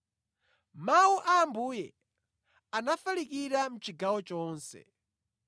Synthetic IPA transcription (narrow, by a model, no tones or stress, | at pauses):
mauʔaːmbuːjɛ | anafalikiɾam̩t͡ʃiɡawɔt͡ʃɔːnsɛ̰